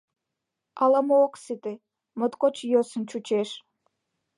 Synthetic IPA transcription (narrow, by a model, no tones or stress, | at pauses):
ɑlɑmooksit̪e | mət̪kot͡ɕjøsə̆nt͡ɕut͡ɕeʃ